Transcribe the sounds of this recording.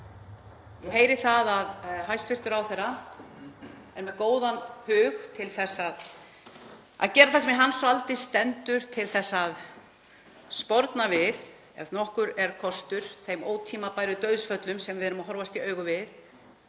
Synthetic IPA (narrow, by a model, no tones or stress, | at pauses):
jɛheːjɾɪθaðaðɦajst̪fɪr̥t̪ʏɾawθɛɾːa | ɛnmɛðkoːwðanhʏːɣt̪ʰɪlθɛsːað | a̰ðcɛːɾaθasɛmɛɦanːsɔalt̪ɪst̪ɛnt̪ʏɾ̥t̪ʰɪlθɛsːað | spɔɾt̪navɪð | ɛvnɔhkʏɾɛɾ̥kʰɔst̪ʏɾ̥θejmoːwt̪ʰiːmapaːjɾʏt̪œɥðsfœt̪lʏmsɛmvɪðɛɾʏmaɦɔɾvast̪iœːɥɣʏvɪð